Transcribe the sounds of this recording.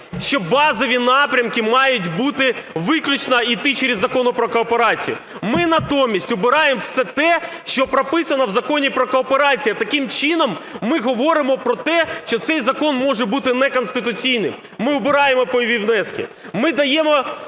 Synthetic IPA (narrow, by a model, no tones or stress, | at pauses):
ʃt͡ʃɔbɑzɔʋʲinɑpɾʲɐmkɪmɑjʊtʲbut̪ɪʋɪklʲʊt͡ʃnɐit̪ɪt͡ʃeɾʲizːɐkɔnʊpɾɔkɔːpeɾɑt͡sʲḭjʊ̰ | mɪnɐt̪ɔmʲːisʲtʲʊbɪɾɑjemwsɛt̪ɛ | ʃt͡ʃɔpɾɐpɪsɐnɐwzɐkɔnʲipɾɔkɔːpeɾɑt͡sʲijɐt̪ɐkɪmt͡ʃɪnɔmːɪɦɔʋɔɾɪmɔpɾɔt̪ɛʃt͡ʃɔt̪sɛjzɐkɔnmɔʒɛbut̪ɪnɛkɔnst̪ɪt̪ʊt͡sʲijnɪm | mɪʊbɪɾɑjemɔpɔjʋʲiʋnɛskʲḭmɪd̪ɐjɛmɔ